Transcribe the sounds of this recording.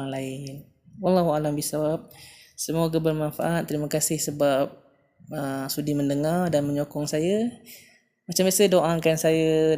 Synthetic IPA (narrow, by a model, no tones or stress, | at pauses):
ŋlaɪn | walːaɦualambisawap̚səmuaɡabərmanfaʔat̪̚ːəɾiməkasɪhsəbap̚ | əsudiməndəŋardanməɲokɔŋsajə | mat͡ʃambiasədoʔaŋkansaja